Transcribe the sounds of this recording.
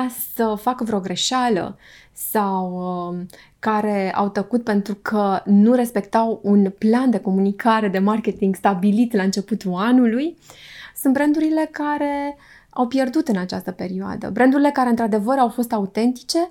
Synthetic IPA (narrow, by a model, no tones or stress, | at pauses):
asəfakəvɾeo̞ɡɾe̞ʃalə̰ | sawə | kaɾe̞a̰wt̪əkut̪̚pe̞nt̪ɾukʰənuɾe̞spe̞kt̪awunpland̪e̞ko̞munikʰaɾe̞d̪e̞markʲe̞t̪iŋɡst̪abilit̪laɨnt͡ʃe̞put̪ulanulujsunt̪bɾend̪uɾile̞kaɾe̞ | awpje̞rd̪ut̪ɨnat͡ʃa̰st̪əpe̞ɾioa̰d̪ə̰bɾʔend̪uɾile̞kaɾe̞ɨnt̪ɾad̪e̞vəɾawfo̞st̪aut̪e̞nt̪i̥t͡ʃe̞